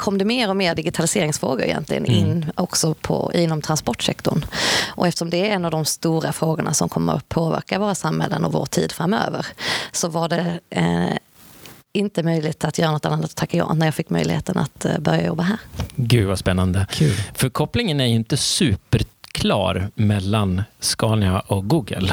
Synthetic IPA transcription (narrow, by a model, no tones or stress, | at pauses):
kʰɔmːd̪ɛmeːɾɔmeːɾɖɪɡɪt̪ʰalɪseːɾɪŋsfɾo̰ːɡʊɾɪ̰jɛ̰nt̪lɪɡə̰nɪnːɔksɔpʰɔ̰ɪnːɔmt̪ʰɾanspɔʈʂɛkt̪ʊɳʔɔɛft̪əʂɔmd̪ɛɛnːavd̪ɔmst̪uːɾafɾoːɡʊɳa̰sɔmkʰɔmːə̰ɾ̰pʰoːvæ̰ɾkavoːɾasamhɛ̰lːənɔvo̰ːʈʰḭːd̪fɾamːø̰ːvəɾsɔvaɖɛ | ɪnt̪əmœjlɪt̪at̪jœːɾanɔt̪ːanːanːat̪t̪ʰakːajɔ̰bnæɾjɑːfɪkːmœ̰jlɪɡhḛːt̪əna̰t̪bœɾja̰jɔbːaɦæːɾɡʉ̟ːvaspɛnːand̪əkʰʉːlfœɾkʰɔplɪŋənæɾjɵɪnt̪əsʉːpəɾkʰlɑ̰ːɾmɛlːanskɑːnɪaʔɔɡuːɡə̰l